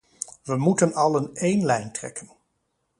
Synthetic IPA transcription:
ʋəmutənɑlˠənejnlɛjntrɛ̰kən

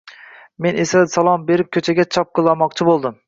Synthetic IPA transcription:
me̞nesasalˠɒmbe̞ɾɪp̚kʲʰɵt͡ʃʰaɡʲat͡ʃʰɒp̚qʰɨlˠːɒɾmɒq̚t͡ʃʰɪbolˠd̪ɪm

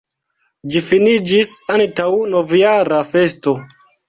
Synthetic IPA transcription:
d͡ʒifinid͡ʒisantawno̞vjaɾafe̞sto̞

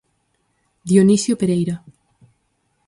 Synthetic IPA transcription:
d̪jonisjopeɾejɾa

